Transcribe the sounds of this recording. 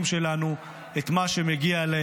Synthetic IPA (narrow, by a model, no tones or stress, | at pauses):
mʃe̞lanu | et̪maʃe̞meɡiale